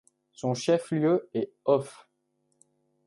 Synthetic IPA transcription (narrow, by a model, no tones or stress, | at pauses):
sɔ̃ʃɛfljøɛ | ɔf